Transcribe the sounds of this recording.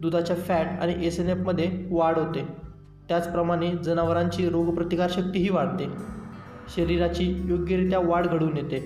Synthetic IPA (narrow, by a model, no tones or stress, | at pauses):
d̪ud̪ʱat͡ɕjafæʈa̰ɽ̃iʔesenefməd̪ʱːjeʋaɽɦot̪e | t̪jat͡spɾəmaɽ̃ed͡zənaʋəɾãɲt͡ɕiːɾoɡpɾət̪ikaɾɕək̚t̪iːɦiːʋaɽt̪e | ɕəɾiɾat͡ɕiːjoɡjəɾit̪jaʋaɽɡʱəɽuːnjet̪e